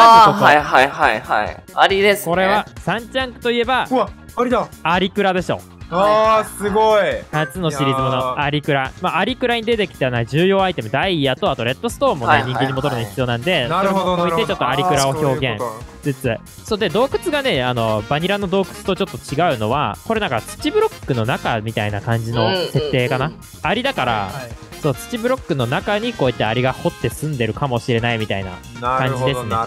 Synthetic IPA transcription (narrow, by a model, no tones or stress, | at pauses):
aoɦt̪aiɦaihaiha̰iaɾʲid̪esko̞ɾe̞βasãɲ̟t͡ɕãŋkɯ̟̥t̪o̞ie̞baɾiaɾʲikɯ̟ɾad̪e̞ɕo̞̰ | sɨɡoinat͡sɨno̞ɕiɾʲizɨmonoaɾʲikɯ̟ɾamaːɾʲikɯ̟ɾaɲ̟id̪e̞t̪e̞kʲi̥t̪anaʑɨːjo̞ːait̪e̞mɯ̟d̪aijat̪o̞at̪o̞ɾe̞t̪ːo̞sɨ̥t̪o̞ːmːo̞neɲĩŋɡeɲːimot̪oɾɯ̟noçi̥t͡sɨijo̞ːnãnd̪e̞soɾeoit̪et͡ɕo̞t̪ːoaɾʲikɯ̟ɾaoço̞ːɡẽ̞ŋd͡zɨt͡sɨ | soːd̪e̞d̪o̞ːkɯ̟t͡sɨɡane̞ano̞baɲ̟iɾano̞d̪o̞ːkɯ̟̥t͡sɨ̥t̪o̞t͡ɕo̞t̪ːo̞t͡ɕiɡaɯ̟no̞βako̞ɾe̞nãŋkat͡sɨ̥t͡ɕibɯ̟ɾo̞kːɯ̟no̞nakamʲit̪ainakãɲ̟d͡ʑino̞se̞t̪ːe̞ːkana | aɾʲid̪akaɾa̰ | so̞ːt͡sɨ̥t͡ɕibɯ̟ɾo̞kːɯ̟no̞nakaɲ̟iko̞ːit̪ːeaɾʲiɡaho̞t̪ːe̞sɨ̃nd̪e̞ɾɯ̟kamo̞ɕiɾe̞naimʲit̪aina̰ | kãɲ̟d͡ʑd͡ʑid̪e̞sɨne